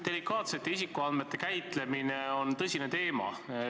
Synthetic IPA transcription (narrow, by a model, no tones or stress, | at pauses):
d̪̥e̞likɑːt̪se̞t̪ːˑeisikːˑuɑnme̞t̪ːˑe̞kæjt̪le̞mineo̞nt̪ɤsʲine̞t̪e̞ːmɑ̰